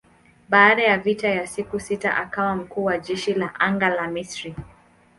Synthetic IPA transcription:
ɓaːɗajavitajasikusita̰ʔakawam̩kuːwaʄɛʃilaʔaŋɡalamisɾi

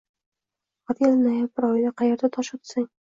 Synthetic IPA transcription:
at̪jʲalnajabɪɾɒjlaqʰɑjeɾd̪at̪ʰɒʃɒt̪saŋ

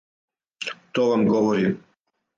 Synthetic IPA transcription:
t̪oːʋamɡoʋoɾi

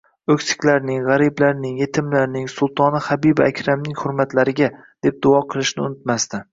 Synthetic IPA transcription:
ɵkʲsɪ̥kʲlaɾnɪŋʁaɾiblaɾnɪŋje̞t̪ʰɪmlaɾnɪŋsʊlˠt̪ʰɒnɪχabibaakʲʰɾamnɪŋhʊɾmat̪ʰlaɾɪɡʲa | d̪̥e̞p̚d̪ʊɒqʰɨlˠɪʃnɪʊnɪt̪mast̪ɪ

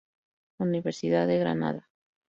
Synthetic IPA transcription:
uniβe̞ɾsiðaðeɣɾa̰na̰ða

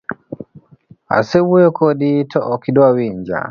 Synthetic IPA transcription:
a̰seβwekoditʰoʔːkidwaβiːɲɟa̰

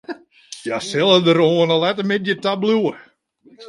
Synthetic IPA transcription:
jasɛlˠədəɾoənəlɛtəmɪtjətabluə

